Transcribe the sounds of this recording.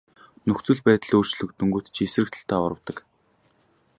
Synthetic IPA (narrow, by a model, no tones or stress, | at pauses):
nɵxt͡swɘ̆ɮpæːt̪ə̆ɮoːr̥t͡ɕɮɵ̆k̚t̪ɵŋɡuːt̪t͡ɕesrɘ̆k̚t̪ʰə̆ɬt̪æːɔ̰ɾə̆wt̪ə̆k